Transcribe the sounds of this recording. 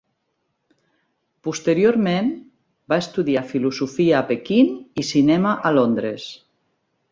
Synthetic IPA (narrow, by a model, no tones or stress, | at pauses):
pust̪eɾioɾmẽn | baest̪uðiafiluzufiaːpekinisinɛmaʔalond̪ɾes